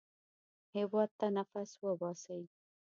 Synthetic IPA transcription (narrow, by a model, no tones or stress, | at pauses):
hɪwɑd̪̚t̪anafaswəbɑsawi